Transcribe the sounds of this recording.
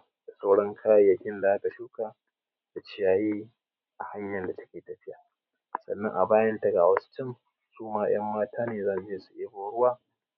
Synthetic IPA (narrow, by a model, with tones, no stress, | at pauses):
d̥a˨sa˦wɽɐ˦ŋkʰaː˦jɐ˨jːɐ˦kʲɪ˦nda˨ʔa˦ka˨ʃuː˦kaː˨ | da˨t͡ʃɪ˦jaː˦jiː˦ | ʔa˨ha˦ɲjɐ˨nda˨tɐ̥˦kʲeː˨tɐ˨ɸɪ˦ja˨ | sɐ̰˨nːɐ˦ŋʔa̰˨baː˦jɐ˦ntɐ˦˨ɡaː˨wɐ˦stɪ˦˨m | suː˦maː˦j̰ɐ˦mːaː˦taː˦neː˨zɐ˦˨n˨d͡ʒeː˦su˨ʔeː˦boː˨˦ɽʊ˦waː˦